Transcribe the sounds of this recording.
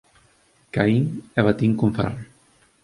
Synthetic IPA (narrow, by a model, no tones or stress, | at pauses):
kaiŋɛβat̪iŋkuɱfa̰rn